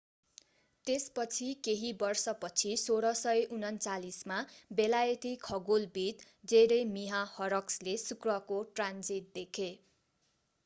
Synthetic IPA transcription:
t̪espʌt͡sʰikeɦibʌrsʌpʌt͡sʰisoɾʌsʌjʔunʌnt͡salismabelajʌt̪ikʰʌɡulbit̪ | deɾʌjmiɦahʌɾʌkslesukrʌkoʈrand͡zit̪̚d̪ekʰe

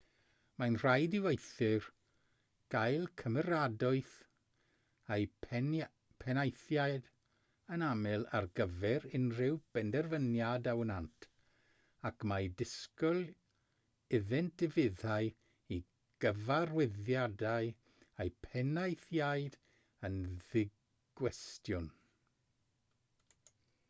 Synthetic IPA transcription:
majnr̥ajdɪwejθɨr | ɡ̥ajlˠkʰəməɾadɔɨθ | aj | pʰɛnajθjaɨd | ənamɪlˠa̰rɡəvɛɾɪnrɪwb̥ɛndɛrvənjadawənantʰ | akmajdɪskɔlˠ | ɪðɛntd̥ɪvɪðaɨ | i | ɡ̥əvarwɛðjadaɨ | ejpʰɛnajθjaɨd | ənðɪ | ɡ̥wɛstjʊn

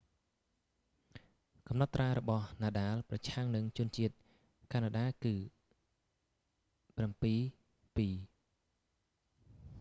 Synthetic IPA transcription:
kɑmnɑt̪ːraːɾɔɓɑhnaːɗaːlprɑt͡ɕʰaŋnɨŋt͡ɕʊ̆ənt͡ɕiət̪̚ | kʰanaːɗaːkɨː | prampiː | piː

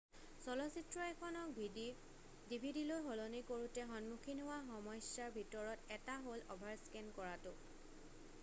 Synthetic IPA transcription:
sɔlɔsitɹɔɛkʰɔnɔk̚bʱidi | dibʱidilojɦɔlonikoɹutɛɦɔnmukʰinɦowaxɔmɔjsaɹbʱitɔɹɔtɛtaɦolɔ̰bʱaɹskɛnkɔɹatʊ

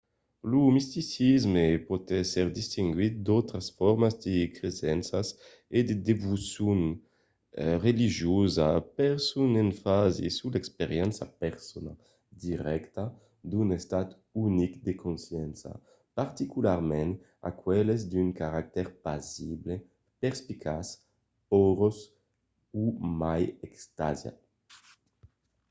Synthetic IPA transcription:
lumist̪isizmepot̪ɛsɛɾd̪ist̪iŋɡwit̪̚d̪ɔwt̪ɾasfɔɾmazd̪ekɾezɛnsas | ed̪ed̪evusjun | reliʒjozapɛɾsunenfazḭsulɛkspeɾjɛnsa̰pɛɾsona | d̪iʁɛkt̪a | d̪unest̪at̪ | unikd̪ekonsjɛnsa̰ | paɾt̪ikulaɾmɛ̃n | a̰kwɛlezd̪yŋkaɾak̚t̪ɛɾpazible | pɛʁspikʰas | ɔɾos | umajɛkst̪azja̰

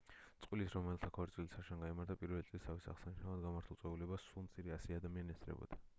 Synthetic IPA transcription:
t̪sʼqʼwilisɾɔmɛlt̪ʰakʰɔɾsʼwilisaʃanɡaimaɾt̪ʰapʼiɾvɛlit̪ʼlist̪ʰavisaʁsaniʃnavad̪ɡamaɾt̪ʰulˠsʼwɛulɛbasːulˠmt̪sʼʰiɾɛasiad̪amianiɛsɾɛ̰bɔ̰d̪a

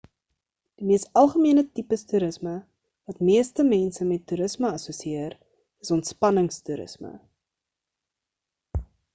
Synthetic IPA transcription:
d̥imiəstɐlˠχəmiənətipəstuɾəsmə | vɐtmiəstəmɛnsəmɛtːuɾəsməɐsuəsiiəɾ | əsɔntspɐnəŋstuɾə̰smə̰

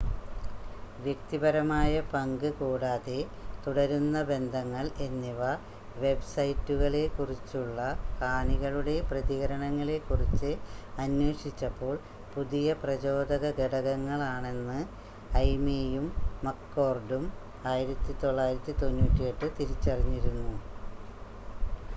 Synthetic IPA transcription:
ʋjek̚t̪ibɐɾɐmaːjɐpɐŋɡɨkuːɽaːðe̞ | t̪uɽɐɾunːɐbe̞nd̪ʱɐŋːɐɭe̞nːiʋɐ | ʋe̞bsɐjtːuɣɐɭe̞kurit͡ɕːuɭːɐkaːniɣɐɭuɽe̞prɐðiɣɐɾɐɳɐŋːɐɭe̞kːurit͡ɕːɨɐnwe̞ːʂit͡ɕːɐpːo̞ːɭ | puðijɐprɐt͡ɕo̞ːd̪ɐɣɐɡeɽɐɣɐŋːɐɭaːɳe̞nːɨ | ɐjmejumːɐkːo̞ːrɖum | aːjiɾɐt̪ːit̪o̞ɭːaːjiɾɐt̪ːit̪o̞nːuːtːijeʈːɨt̪iɾit͡ɕːɐriɲːiɾunːu

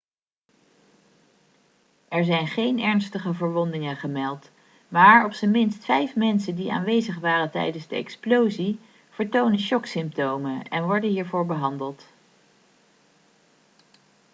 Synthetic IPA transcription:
ʔɛɹzɛjnχejnɛɹnstəχəvəɹʋɔndɪŋənχəmɛlˠt | maːɹɔpsəmɪnstfɛjfmɛnsəndiʔa̰ːnʋejzəχʋaːrəntɛ̰jdənzdəɛ̰ksplowzi | v̥əɹtownənʃɔksɪmp̚towmənɛnʋɔɹdənɦiːɹvʊːɹbəɦɑndəlˠt

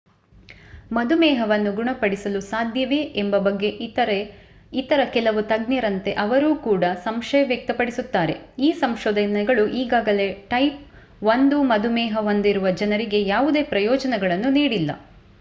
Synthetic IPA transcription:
mɐd̪umɛːɦɐʋɐnːuɡuɳɐpɐɽisɐlusaːd̪ʱjɐʋeːʔːmbɐbɐɡːe̞ʔɐɾ | it̪ɐɾɐkɛlɐʋut̪ɐɡniɾɐnt̪e̞ʔɐʋɐɾuːkuːɽɐsɐmʃɐjɐʋjɐk̚t̪ɐpɐɽisut̪ːaːɾe̞̰iːsɐmʃɔːd̪ɐnɛɡɐɭuʔiːɡaːɡɐle̞ʈɐjp̚ | ʋond̪umɐd̪umɛːɦɐɦond̪iɾuʋɐd͡ʒɐnɐɾiɡe̞jaːʋud̪e̞ːpɾɐjɔːd͡ʒɐnɛɡɐɭɐnːuniːɽilːɐ̰

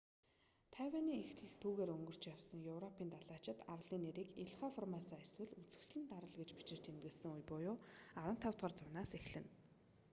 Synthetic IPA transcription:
t̪ʰajwʲaːniːŋext̪ʰɘ̆ɮt̪ʰuːɣeːɾɵŋɡɵ̆r̥t͡ɕjawsə̆ŋjɵwrɔpʰiːnt̪ʰaɮaːt͡ɕɪ̆t̪ar̆ɮiːnːeɾiːkeɮχafɔrmasaeswɘ̆ɮut͡sɘ̆xsɮɘ̆nt̪aɾə̆ɮɡet͡ɕpi̥t͡ɕɪ̆r̥t͡ɕʰemt̪ɡɘ̆ɮsɘ̆ŋujpʊjʊːaɾə̆nt̪ʰːawt̪ʁɔ̆ːrt͡sʊwnaːsexɮɘ̆n

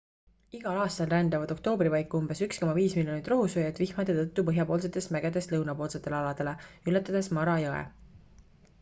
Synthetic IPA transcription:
iɡ̥ɑlɑːst̪ɑlrænd̪ɑvɑd̪o̞k̚t̪o̞ːbripɑjkːuumb̥e̞syksko̞mɑviːsmiljo̞nit̪ːˑroɦusojɑt̪ːˑvihmɑd̪e̞t̪ɤt̪ˑːupɤɦjɑpo̞ːls̬e̞t̪ːˑe̞st̪mæɡ̥e̞d̪e̞st̪lɤwnɑpo̞ːlse̞t̪ːˑe̞lɑlɑd̪̥e̞le̞ylːet̪ːˑɑd̪̥e̞smɑɾɑjɤḛ

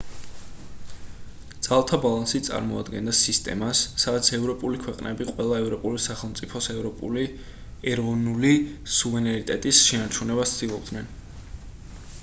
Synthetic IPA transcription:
d̪z̥alˠt̪ʰabalˠansit̪sʼa̰ɾmɔa̰d̪ɡɛnd̪asist̪ʼɛ̰masːad̪at̪sʰɛvɾɔpʼulikʰwɛqʼnɛbiqʼwɛlˠaɛvɾɔpʼulisaχɛlˠmt̪sʼipʰɔsɾɔ | ɛɾɔvnulisuvɛɾɛnit̪ʼɛt̪ʼisʃɛnaɾt͡ʃʰunɛbat̪d̪̥ilˠɔb̚d̪nɛn

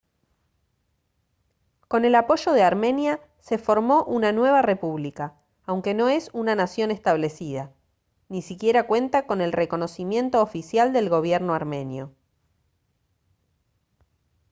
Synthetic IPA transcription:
ko̞ne̞lapo̞ʒo̞ðeaɾmẽ̞nja | se̞fo̞ɾmo̞ʔunanwe̞β̞are̞puβlikaː | wŋke̞no̞e̞sunanasjo̞nest̪aβle̞siða | nisikje̞ɾakwe̞nt̪ako̞ne̞lreko̞no̞simjẽ̞nt̪o̞ːfisjald̪e̞lɣo̞βjeɾno̞aɾmẽ̞njo̞̰

